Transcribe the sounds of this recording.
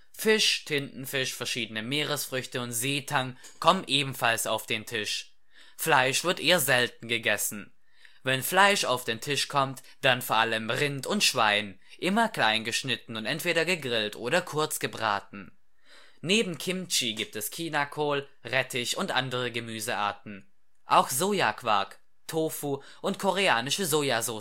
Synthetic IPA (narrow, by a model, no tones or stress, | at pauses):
fɪʃtʰɪntn̩fɪʃfɛɐʃiːdənəmeːʁəsfʁ̥ʏçtəʊntz̥eːtʰaŋ | kʰɔmənʔeːbm̩falsa̰ʊfd̥eːntʰɪʃ | flaɪʃv̥ɪɐtʔeːɐzɛlt̚n̩ɡəɡɛsn̩ | vɛnflaɪʃa̰ʊfd̥eːntʰɪʃkʰɔmt | d̥anfoːɐʔaləmʁɪntʊntʃv̥aɪn | ʔɪmɐkl̥aɪnɡəʃnɪtn̩ʊntʔɛ̰ntv̥eːɾɐɡəɡʁɪltʔoːɾɐkʰʊɐt͡sɡ̥əbʁa̰ːtn̩ | neːbm̩kʰɪmt͡ʃiɡiːp̚tɛskʰiːnakʰoːl | ʁɛtʰɪçʊntʔa̰ndəʁəɡəmyːzəʔa̰ːɐtn̩ | ʔaʊxz̥oːjakʰv̥a̰ɐk | tʰoːfuː | ʔʊntkʰɔʁeaːnɪʃəzoːjazoː